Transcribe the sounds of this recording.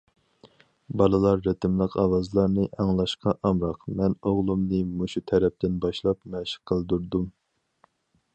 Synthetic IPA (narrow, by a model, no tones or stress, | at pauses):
bɑlˠɨlˠɑɾːet̪ʰɪmlˠəqʰɑwɑzlˠɑɾnɨʔɑŋlˠɑʃqʰɑʔɑmɾɑqmɛnoʁlˠumnɨmuʃut̪ʰɛɾɛp̚t̪ɪnbɑʃlˠɑpmɛʃɪ̥qʰːəlˠd̪uɾd̪um